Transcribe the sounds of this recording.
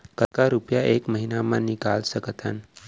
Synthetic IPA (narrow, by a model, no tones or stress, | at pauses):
kəkaɾupjaʔekməɦinamãnikalsəkət̪ə̰n